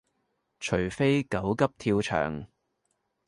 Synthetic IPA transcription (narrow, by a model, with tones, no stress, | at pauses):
t͡ʃʰɵ˨˩ɥfe˥jkɐ˨˥wkɐ˥p̚t̪ʰiː˧wt͡ʃʰœ̰ː˨˩ŋ